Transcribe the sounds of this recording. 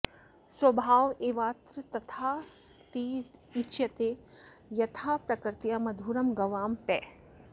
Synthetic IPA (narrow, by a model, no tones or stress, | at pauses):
swɐbʱaːʋeːʋaːt̪ɾɨt̪ɐt̪ʰaː | t̪iːiʃjɐt̪eːjɐt̪ʰaːpɾɐkɾt̪jamɐd̪ʱuːɾɐmɡɐʋaːmpɛː